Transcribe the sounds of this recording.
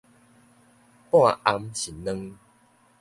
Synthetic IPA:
pw̃ã˥˨ʔa˧mɕi˨˩nnə̃˦ŋ

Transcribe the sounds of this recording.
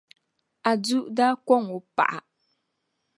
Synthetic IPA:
a˨d͡zu˦ʔda˦kɔ˦˨ŋu˨pa̰˨ʔa˨

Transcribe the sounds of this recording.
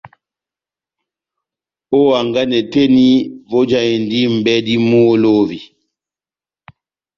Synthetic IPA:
o˦a˨ŋɡa˦nɛ˨te˦ni˦vo˦d͡ʒa˨i˨n˨di˦m̩˨bɛ˦di˦mu˦lo˦vi˨

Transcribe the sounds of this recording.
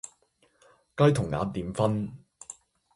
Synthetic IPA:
kɐ˥jt̪ʰʊ˨˩ŋːa̰ː˨˥t̪iː˨˧mfɐ˥n

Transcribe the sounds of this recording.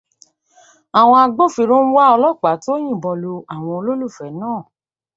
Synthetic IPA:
a˨w̃ɔ̃˧a˧ɡ͡bo˦˨fi˧ɾũ˦ñ̩˦wa˦ɔ˧lɔ˦˨k͡pa˨˦to˦j̃ĩ˦˨bɔ˧lo˧a˨w̃ɔ̃˧o˧lo˦lu˦˨fɛ˨˦nãː˦˨

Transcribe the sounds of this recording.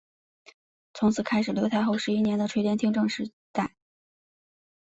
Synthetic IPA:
t͡sʰʊ˧˥ŋt͡sʰɹ̩˨˩kʰa˥ɪʂɻ̩˨˩ljt̪ʰa˧˥ɪxo˥˧ʊʂɻ̩˧˥i˥njɛ˧˥nd̪ə˧ʈ͡ʂʰwe˥ɪjɛ˥nt̪ʰi˥ŋʈ͡ʂɤ˥˧ŋʂɻ̩˧˥˧ | t̪a˥˩ɪ

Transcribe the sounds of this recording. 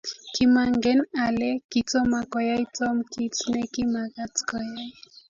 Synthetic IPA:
kimaŋɡɛ˦nalɛ˦kit͡sɔ˦ma˨kɔ˨ja˦jt͡sɔ˦mki˦t͡snɛki˦ma˨ka˦t͡skɔja˦j

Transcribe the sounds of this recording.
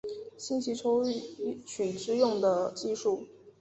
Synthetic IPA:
ɕi˥nɕʰi˧˥ʈ͡ʂʰo˥ʊy˥˩˥t͡ɕʰy˨˩ʈ͡ʂɻ̩˥jʊ˥˩ŋd̪ə˩t͡ɕi˥˧ʂu˥˩

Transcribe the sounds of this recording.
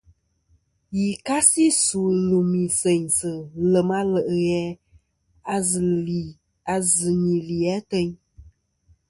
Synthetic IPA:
ji˨ka˦si˦su˨lu˨mi˨sɛ˨ɲsɨ˨lə˨ma˦lə˨ʔɣɛ˨˦˨ | a˨zɨ˨ɲi˨li˨ɛ˨˦tɛ˦ɲ

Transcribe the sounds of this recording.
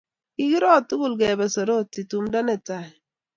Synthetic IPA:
i˦ɡi˦ɾɔ˦˨tu˦ɡu˦˨lɡɛ˨bɛ˨so˨ɾo˦˨ti˨tu˨mdɔ˦nɛ˨ta˨

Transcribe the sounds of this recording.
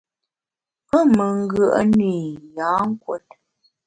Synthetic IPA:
pə˦mə˨ŋ˦ɡə˦˨ʔə˦ni˨ja˨˦ŋ̩˦kwo˦˨t̚

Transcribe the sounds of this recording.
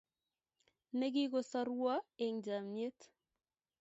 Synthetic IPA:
ne˦ɡi˦ɡo˦sa˦ɾwa˦e˨ŋd͡ʒa˨mɲe˦t̪

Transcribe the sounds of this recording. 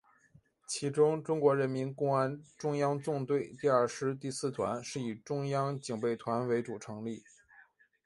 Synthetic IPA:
t͡ɕʰi˧˥ʈ͡ʂʊ˥ŋʈ͡ʂʊ˥ŋkwɔ˧˥ɻə˧˥nmi˧˥nkʊ˥ŋa˥nʈ͡ʂʊ˥ŋjɑ˥ŋt͡sʊ˥˧ŋt̪we˥˧ɪt̪i˥˧ə˞˥˧ʂɻ̩˥t̪i˥˧sɹ̩˥˩t̪ʰwa̰˧˥nʂɻ̩˥˩i˨˩ʈ͡ʂʊ˥ŋjɑ˥ŋt͡ɕi˨˩ŋpe˥˩ɪt̪ʰwa˧˥nwe˧˥ɪʈ͡ʂu˨˩ʈ͡ʂʰɤ˧˥ŋli˥˩

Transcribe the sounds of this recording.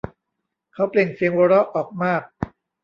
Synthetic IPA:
kʰa˦˥wpli˨˩ŋsi˨˧əŋwo˧ɾɔ˦˥ʔɔː˨˩k̚maː˥˩k̚

